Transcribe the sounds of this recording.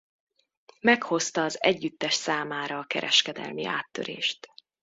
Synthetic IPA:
mɛkho̞st̪ɒːzɛɟːyt̪ːɛʃsaːmaːɾɒːkɛ̰ɾʔɛʃkɛd̪ɛ̰lmiʔa̰ːt̪ːø̰ɾḛːʃt̪

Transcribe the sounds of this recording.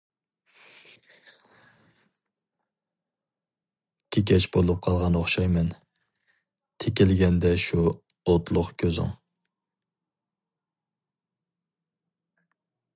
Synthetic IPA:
kʲʰɪkʲɛt͡ʃbolˠup̚qʰɑlˠʁɑnoχʃɑjmɛn | t̪ʰekʲɪlɡʲɛnd̪ɛʃu | ot̪lˠʊqkʲʰøzɪ̰ŋ

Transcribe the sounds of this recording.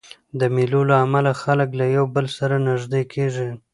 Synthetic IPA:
d̪əmilolaːmalaxaləklajawbəlsaɾanɪʒd̪ekʰeʐi

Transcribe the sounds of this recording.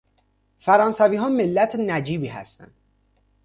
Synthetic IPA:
fæɾɒːnsæviːɦɒːmelːæt̪ʰnæd͡ʒiːbiːɦæ̰st̪æ̰nd̪̥

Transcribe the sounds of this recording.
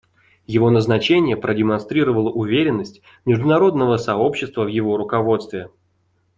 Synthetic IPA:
jɪvo̞nəznɐt͡ɕenʲɪjəpɾədʲɪmɐnst̪ɾʲiɾəvəlˠəʔʊvʲeɾʲɪnːəsʲtʲ | mʲɪʐd̪ʊnɐɾo̞d̪nəvəsɐopɕːɪst̪vəvjɪvo̞ɾʊkɐvo̞t̪st̪vʲɪ

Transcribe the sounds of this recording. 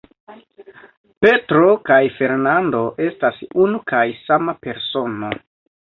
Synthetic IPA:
pe̞tɾo̞kajfe̞ɾnando̞ʔe̞stasunukajsamape̞ɾso̞no̞

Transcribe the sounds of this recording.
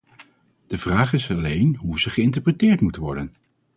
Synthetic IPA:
d̥əvraːχɪsɑlejnɦuzəχəɪnt̬əɹprətɪːɹtmutʋɔ̰ɹdən

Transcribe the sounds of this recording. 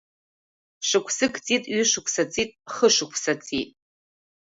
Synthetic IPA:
ʂɨkʷʰsɨkʰt͡sʼitʼɥɪʂɨkʷʰsat͡sʼitʼχəʂɨkʷʰsat͡sʼitʼ

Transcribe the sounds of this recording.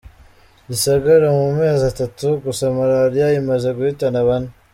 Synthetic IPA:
isaɡaɾamume̞ːzatatuɡusamaɾaɾijajimaʒe̞ɡuhitanaβane

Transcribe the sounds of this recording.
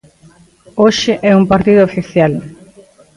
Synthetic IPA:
oʃɪʔɛumpaɾt̪iðʊːfiθjal

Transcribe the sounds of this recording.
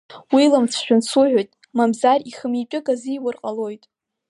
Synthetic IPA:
wilamt͡sʰʃᶣʊnsuʕʷᶣojtʼ | mamzariχəmipʼɪɡʼazijwʊrqʼalo̞jtʼ

